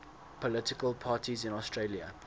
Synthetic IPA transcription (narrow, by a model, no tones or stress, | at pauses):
pʰɔlɪtɪkəlˠpʰaːˑtʰizɪ̃nɔstʰɹeːliə̰